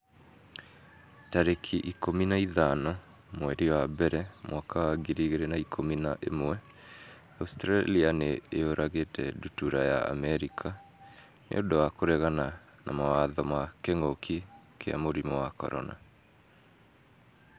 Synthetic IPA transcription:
taɾekʰiʔikominaiðanɔ | mwɛɾiwabɛɾɛmwakʰawaɡiɾiɣeɾenaikʰomina̰ʔḛmwɛ | austɾalianeːoɾʔaɣetʰɛ̰dutuɾaja̰a̰mɛɾikʰa | nḛodowakoɾɛɣana | na̰mawaðɔmakeŋokʰikʰea̰moɾimɔwakɔ̰ɾɔ̰na̰

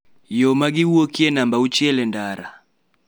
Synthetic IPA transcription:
jɔmaɡiuɔkiɛnambaut͡ʃiɛlɛndaɾa̰

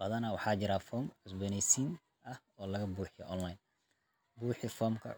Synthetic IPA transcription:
b̥ɐðɐnɐwɑħɑːt͡ʃɪɾaːfɔːmʕʊsbɔnɛjsiːn | ɐh | ɔːlɐɣɐbuːħɪjɔ̰ʔɔnlɐjn | buːħɪfɔːmkʰɐ̰

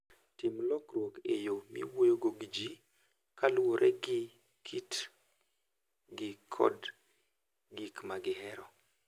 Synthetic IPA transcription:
tɪmlɔkɾwokejomḭwojoɡoɡid͡ʒi | kalwoɾʔɛɡɪ | kʰit | ɡɪkʰɔ̰d | ɡikmaɡɪhɛɾɔ

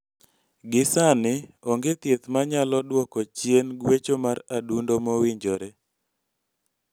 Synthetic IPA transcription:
ɡɪsanɪɔŋɡet̪jet̪maɲalɔdwɔkɔt͡ʃjenɡwet͡ʃomaɾadundomɔwɪɲd͡ʒoɾe

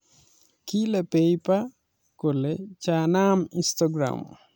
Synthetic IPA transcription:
kilepejpa | kolet͡ʃanaminstɔɡɾa̰m

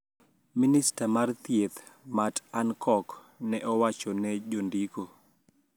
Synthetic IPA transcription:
ministamart̪jet̪ | matankʰɔk | nɛʔɔwat͡ʃɔnɛd͡ʒondiko

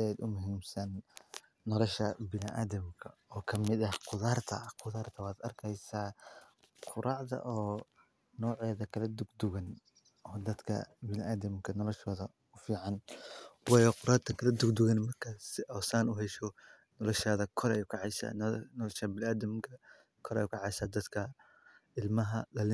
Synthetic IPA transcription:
ɛːd̪ʊmʊɦiːmsɐnː | ɔlɔʃɐbɪnɪʔaːðɐmkʰɐ | ɔːkʰɐmɪd̪ɐhqʊðaːrt̪ʰɐ̰qʊðaːrt̪ʰɐwɑːd̪ɐ̰rkʰɛjsaː | qʰʊɾʔɑːʕðɐ̰ʔɔː | nɔːʕɛːðɐkʰɐlɐd̪ʊɡd̪ʊɣɐn | ʔɔːd̪ɐd̪kʰɐ̰bɪnʔaːd̪ɐmkʰɐnɔlɔʃɔːðɐ | ʊfiːʕɑnwɑːjɔqʊɾaːrt̪ʰɐkʰɐlɐd̪ʊɡd̪ʊɣɐnmɐrkʰɐsɪʔɔːsaːnʊɦɛʃɔ | nɔlɔʃaːðɐkʰɔɾɛjukʰɐʕɑsa̰nɔlɔʃɐbɪnaːd̪ɐmkʰɐ | kʰɔɾɛ̰juːkʰɐʕɑjsaːd̪ɐd̪kʰɐ | ɪlmɐɦɐlɐlɪ

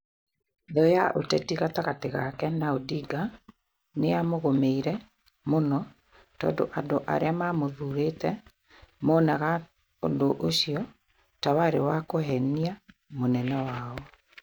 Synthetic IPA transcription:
ðɔjaʔo̰tɛtiɣataɣateɣakɛnaodiɡa | neamoɣomeiɾɛ | monɔ | tɔ̰ːndo̰ʔandoʔa̰ɾeamamoðuɾetɛ | moːnaɣa | o̰ndoʔoɕijɔ | tawaɾewakoɦɛnia | monɛnɛwaːɔ

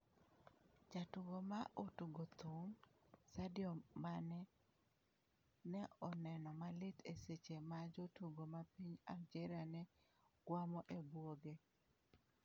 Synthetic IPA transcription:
d͡ʒatuɡomaʔotuɡot̪uŋsadjɔmːanɛ | nɛɔnɛnɔmalɪtʰeset͡ʃemad͡ʒotuɡomapiɲafd͡ʒɛɾanɛɡwamɔʔebwoɡe

